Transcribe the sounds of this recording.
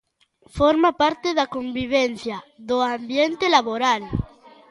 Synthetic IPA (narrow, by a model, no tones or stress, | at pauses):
foɾmapaɾt̪eðakombiβ̞en̟θjaðoambjent̪elaβoɾal